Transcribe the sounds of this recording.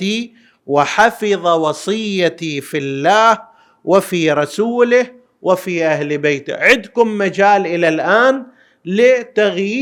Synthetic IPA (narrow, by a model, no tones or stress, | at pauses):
i | wɪħɑfɨðˤɑwɑsˤɨjːat̪ifilːaːh | wɪfiɾˤɑsuːlɪh | wʔɪfiʔahlbeːt̪ɪ̰ʕɪd̪kʊmːad͡ʒaːlʔɪlalʔaːn | lɪt̪aɣjiː